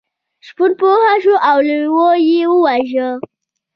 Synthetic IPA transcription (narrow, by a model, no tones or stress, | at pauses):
ʃpuɾpohaʃoʔawlwojewəwaʒə